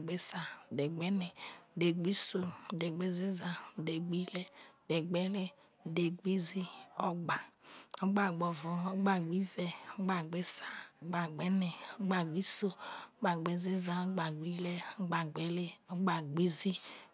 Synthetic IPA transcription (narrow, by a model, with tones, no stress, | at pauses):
ɡ͡be˦sa˨de˨ɡ͡bɛ˦nɛ˨de˨ɡ͡bi˦so˦˨de˨ɡ͡be˦zi˦za˨de˨ɡ͡bi˦lɛ˦˨de˨ɡ͡bɛ˦le˦˨ | de˨ɡʷi˦zi˦ɔ˦ɡ͡ba˨ɔ˦ɡ͡ba˨ɡ͡bɔ˨vɔ˨ɔ˦ɡ͡ba˨ɡ͡bi˦vɛ˨ɔ˦ɡ͡ba˨ɡ͡be˦sa˦ɔ˦ɡ͡ba˨ɡ͡bɛ˦nɛ˨ɔ˦ɡ͡ba˨ɡ͡bi˦so˦ɔ˦ɡ͡ba˨ɡ͡be˨zi˦za˨˦ɡ͡ba˨ɡʷi˦lɛ˦ɔ˦ɡ͡ba˨ɡ͡be˨le˦ɔ˦ɡ͡ba˨ɡ͡bi˦zi˦